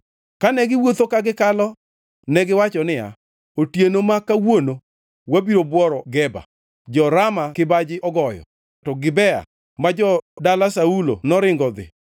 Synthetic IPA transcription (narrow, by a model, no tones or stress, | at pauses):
kanɛɡɪwot̪okaɡɪkalɔ | nɛɡɪwat͡ʃɔnɪja̰ | otjenomakawono | wabiɾobwɔɾɔɡɛba̰ | d͡ʒɔɾamakɪbad͡ʒɪʔɔɡɔjɔ̰ | tɔɡɪbɛa̰ | mad͡ʒɔdalasaulo̰nɔɾɪŋɡɔd̪ɪ̰